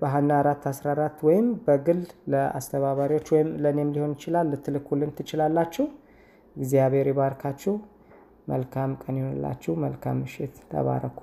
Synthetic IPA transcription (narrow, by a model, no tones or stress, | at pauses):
bəɦanːaaɾat̪ːasɾaɾat̪ːwɔjɪmbəɡɨlləa̰st̪ʰəβaβaɾiwo̞t͡ʃːwɔjɪmlənemliho̞njɪt͡ʃɪlalːɨt̪ʰːɨlɨkʰːulɨmt̪ʰɨt͡ʃɪlalːat͡ʃːɛh | ɨɡzijaβe̞ɾebaɾkʰat͡ʃːɛw | mə̰lkʰamkʼənjhonɨlːa̰t͡ʃːɛwməlkʰa̰mːɨʃɪt̪t̪ʰə̰βa̰ɾəkʰu̥